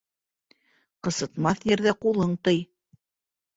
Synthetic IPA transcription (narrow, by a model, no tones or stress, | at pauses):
qɤ̆sɤ̆t̪mɑθjɘ̆ɾðæqulˠɤɴt̪ɤj